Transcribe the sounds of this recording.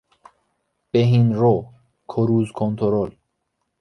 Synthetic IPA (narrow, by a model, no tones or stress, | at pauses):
b̥eɦinɾo | kʰoɾuːzkʰont̪ʰoɾol